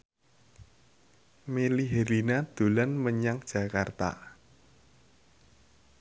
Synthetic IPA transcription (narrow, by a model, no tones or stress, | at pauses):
meliɦeɾinad̪̥ṳlanməɲaŋd̥ʒ̥ä̤kart̪a̰